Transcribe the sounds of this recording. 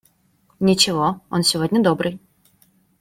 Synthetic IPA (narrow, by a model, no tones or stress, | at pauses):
nʲit͡ɕɪvɔɔnsʲɪvɔdʲnʲəd̪ɔbɾɨj